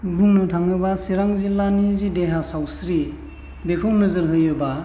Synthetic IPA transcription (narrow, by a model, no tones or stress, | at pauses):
buŋnɯtʰaŋɯbasiɾaŋzilanizideɦasawsɾi | bekʰɯwnɯzɯɾɦɯjɯba